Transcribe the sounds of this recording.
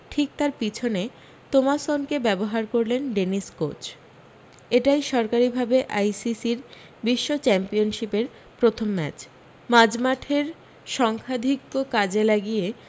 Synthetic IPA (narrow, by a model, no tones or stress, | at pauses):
ʈʰik̚t̪aɾpit͡ɕʰone | t̪omasonkebɛboɦaɾkoɾlenɖeniskot͡ɕ | eʈajʃɔɾkaɾibʱabeʔajsisiɾ | biʃːot͡ɕɛmpionʃipeɾ | pɾot̪ʰomːɛ̰t͡ɕ | mad͡ʑmaʈʰeɾ | ʃɔŋkʰad̪ʱikːokad͡ʑelaɡije